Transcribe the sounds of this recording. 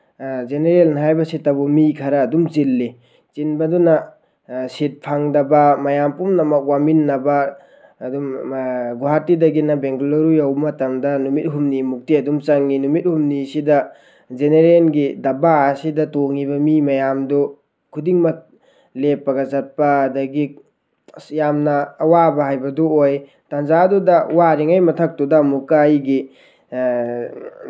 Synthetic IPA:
zeneɾelnɦajbɐsitɐbɔmikʰɐɾɐːdumt͡ʃilːi | t͡ʃinbɐdunɐ | sit̚pʰaŋdɐbɐmɐjampumnɐmɐk̚waminːɐbɐː | dumɡuatidɐɡinɐbeŋɡuloɾujawmɐtɐmdɐnumit̚ɦumnimuk̚tiɐdumt͡ʃaŋːinumit̚humnisidɐ | zeneɾenɡidɐbaːsidɐtoŋibɐmimɐjamdɔ | kʰudiŋmɐk̚ | lepːɐɡɐzɐt̚pɐːdɐɡi | jamnɐːwabɐɦajbɐdɔoj | tanzadudɐwaɾiŋajmɐtʰɐk̚tudamukajɡi

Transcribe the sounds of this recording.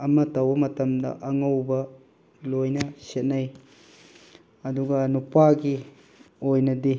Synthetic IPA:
ɐmɐtɐwbɐmɐtɐmdɐ̰ʔɐŋɐwbɐ | lojnɐset̚nɐj | ɐduɡɐnupaɡi | ojnɐdi

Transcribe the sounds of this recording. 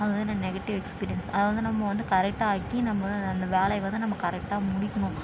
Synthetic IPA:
ɐðɯʋɐnɪnnɛɣɐʈːɪʋɛkspiːɾɪjɐnsɐðɯʋɐnd̪ɯnɐmːɐʋɐnd̪ɯkɐɾɛk̚ʈaːkːinɐmːɐɐnd̪ɐʋeːlɐɪʋɐnd̪ɯnɐmːɐkɐɾɛk̚ʈaːmʊɽɪkːɐɳʊ̃

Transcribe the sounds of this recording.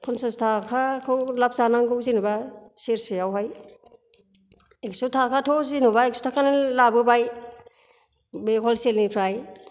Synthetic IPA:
kʰɔnsastʰakʰakʰɯwlap̚zanaŋɡɯwzinubaseɾseawɦaj | eksutʰakʰatʰozinubaek̚su̥tʰakʰanɯlabɯbaj | bekʰɔlselnipʰɾaj

